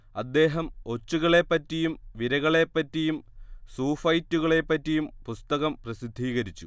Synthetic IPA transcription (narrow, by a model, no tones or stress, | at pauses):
ɐd̪ːe̞ːɦɐmo̞t͡ɕːuɣɐɭe̞pːɐtːijumʋiɾɐɣɐɭe̞pːɐtːijumsuːfɐjtːuɣɐɭe̞pːɐtːijumpust̪ɐɣɐmprɐsid̪ʱːiːɣɐɾit͡ɕːṵ